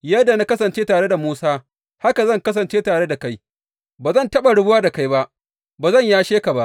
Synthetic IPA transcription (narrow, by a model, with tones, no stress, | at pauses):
jɐ˦dːa˨na˦kɐ˦s̬ɐ˨nt͡ʃeː˦taː˨ɽe˦da˨muː˦saː˦ | ha˦ka˨zɐ˦˨ŋkɐ˦s̬ɐ˨nt͡ʃeː˦taː˨ɽe˦da˨ka˦j | baː˨zɐ˦˨ntɐ˦ɓa˨ɽʊ˦bʊ˦waː˦da˨ka˦jba˦ʔ | baː˨zɐ˦˨ɲjaː˦ʃeː˦ka˨ba˦ʔ